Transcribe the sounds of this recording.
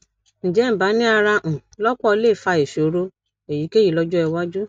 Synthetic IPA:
ñ̩˨d͡ʒɛ˨˦m̩˨ba˨˦nĩ˦a˧ɾa˧ʔũ˨lɔ˦k͡pɔ˦˧le˦˨fa˧e˨ʃo˨˦ɾo˧ | e˨ji˨˦ke˦ji˦˨lɔ˧d͡ʒu˦ɛ˧wa˦d͡ʒu˦

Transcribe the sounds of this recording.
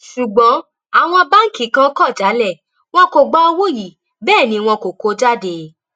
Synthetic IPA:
ʃu˨ɡ͡bɔ̃˨˦ | a˨w̃ɔ̃˧ba˦ŋ̩˦kĩ˨˦kã˦kɔ˦˨d͡ʒa˨˦lɛ˦˨ | w̃ɔ̃˧ko˨ɡ͡ba˧o˧wo˦˨ji˨ | bɛː˦˨nĩ˨˧w̃ɔ̃˧ko˨ko˧˦d͡ʒa˦˨de˧˦

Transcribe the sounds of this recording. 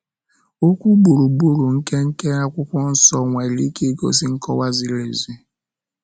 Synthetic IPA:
o˦kʷu˦ɡ͡bu˨ɾu˨bu˦ɾu˨ŋ̩˦ke˦ŋ̩˦ke˦a˦kʷʊ˦kʷɔ˦n̩˦sɔ˦ŋʷe˨li˦ki˦ɡo̰˨sɪ˦ŋ̩˦kɔ˦wa˦zi˦le˨zi˦

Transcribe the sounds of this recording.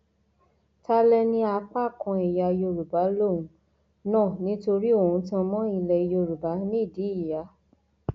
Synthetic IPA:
ta˦lɛ˦nĩ˦a˧k͡pa˦˨kɔ̃˧i˨ja˧jo˧ɾu˨ba˨˦lo˦˨ũ˨˦ | nãː˦˨nĩ˨˦to˧ɾi˦o˦˨ũ˨˧˦tã˧mɔ̃˦i˧lɛ˧jo˧ɾu˨ba˨˦nĩ˦˨di˨˦i˦˨ja˨˧˦

